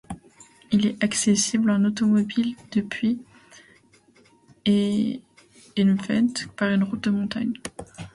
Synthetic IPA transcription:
ilɛʔaksesiblãnot̪ɔmɔbild̪̥əpɥi | e | ɛnfɛ̰̃t̪paʁynʁut̪̚d̪əmɔ̃t̪a̰ɲ

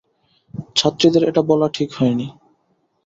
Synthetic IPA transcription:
t͡ɕʰat̪ːɾid̪eɾeʈabɔlaʈʰikhɔeni

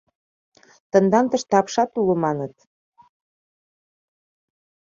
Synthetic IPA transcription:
t̪ə̆nd̪ɑnt̪ə̆ʃt̪ɑpʃɑt̪ulə̆mɑnət̪̚

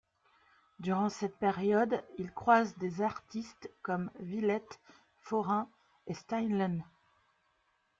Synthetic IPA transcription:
d̪yʁɑ̃sɛt̪̚peʁjɔd̪ilkχwazd̪ezaʁt̪ist̪kɔmvilɛt̪ | fɔʁɛ̃ | est̪ajnlan

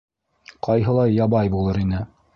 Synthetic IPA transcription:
qɑjɦɤ̆lˠɑjːɑβɑjbulˠɤɾinɘ

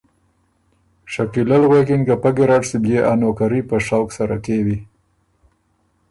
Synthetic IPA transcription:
ʃakilalɣwekinkapaɡɪɾaʈsibjeʔanokaɾipəʂawksaɾa̰tewi

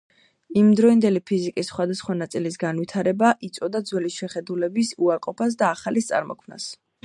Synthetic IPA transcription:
imd̪ɾɔind̪ɛlipʰizikʼisːχwad̪asχwanat̪sʼilisɡanwit̪ʰaɾɛbaʔit̪sʼɔd̪ad̪zwɛlisʃɛχɛd̪ulɛbisuaɾqʼɔpʰas̬d̪aːχalist̪sʼa̰ɾmɔ̰kʰmna̰s

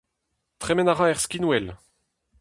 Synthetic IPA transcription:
t̪χɛmɛnaʁɑ̃ɛʁskʲinwɛl

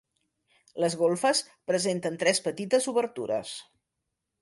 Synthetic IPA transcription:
ləzɣ̞olˠfəs | pɾəzent̪ənt̪ɾɛspət̪it̪əzuβəɾt̪ṵɾə̰s

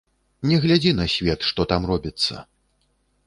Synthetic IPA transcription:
nʲɛɣlʲad͡zʲinɐsʲvʲɛt̪ʂt̪ɔt̪amrɔbʲit̪sːɐ̰

